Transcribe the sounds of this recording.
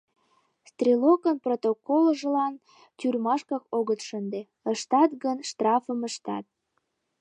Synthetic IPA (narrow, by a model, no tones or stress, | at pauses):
st̪rʲilokənprot̪okolʒəlɑn | t̪ʲyrmɑʃkɑkoɣət̪ʃənd̪e | əʃt̪ɑt̪ɣənʃt̪rɑfəməʃt̪ɑ̰t̪̚